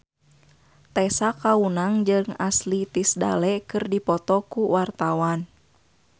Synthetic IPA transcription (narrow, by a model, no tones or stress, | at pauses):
t̪ɛsakaunaŋd͡ʒɨŋaslit̪isda̰lɛkɨrdipɔt̪ɔkuwart̪awan